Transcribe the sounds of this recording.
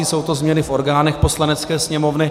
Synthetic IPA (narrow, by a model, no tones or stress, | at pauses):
iːso̞wt̪o̞zmɲɛnɪfo̞ɾɡaːnɛxposlanɛt͡skɛːsɲɛmo̞vnɪ